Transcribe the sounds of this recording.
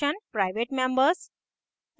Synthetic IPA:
ə̃npɾaɪʋeʈmẽmbəɾs

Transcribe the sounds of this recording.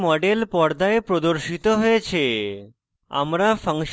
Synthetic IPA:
mɔɖelpɔɾd̪aepɾod̪oɾʃit̪oɦoet͡ɕʰe | a̰mɾafəŋʃ

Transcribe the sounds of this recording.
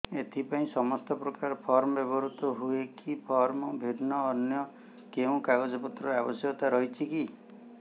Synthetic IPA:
et̪ʰipaĩsɔmɔst̪ɔpɾɔkaɾɔpʰɔɾmɔbebɔɾut̪ɔɦuekʰipʰɔɾmɔbʱid̪nɔːnjɔ | keũkaɡɔd͡ʒɔpɔt̪ɾɔɾabɔsjɔt̪aɾɔɦit͡ʃʰiki

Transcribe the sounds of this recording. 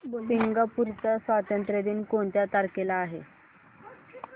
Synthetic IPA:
piŋɡapuɾt͡səsʋat̪ənt̪ɾəd̪iːnkoɳt̪jat̪aɾkelaːɦḛ

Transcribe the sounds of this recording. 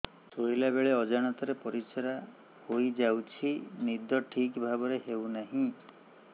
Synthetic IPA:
soilabeɭeɔd͡ʒaɽ̃ɔt̪ɔɾepɔɾisɔɾa | hojd͡ʒawt͡ʃʰinid̪ɔʈʰikbʱabɔɾeɦewnaɦĩ

